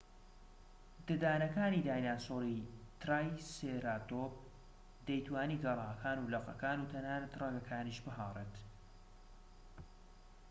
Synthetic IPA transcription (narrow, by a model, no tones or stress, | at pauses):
d̪ɨd̪aːnɐkaːnid̪aːjnaːsoːɾit̪ɾaːjseɾaːt̪op̚ | d̪ɛjt̪waːniːɡɐrˤɑːkʰaːnuːlɐqɐ̰kaːnuːt̪ʰɐnhaːnɐt̪rɑɡɐkʰaːniːʃbɨɦaːrˤet̪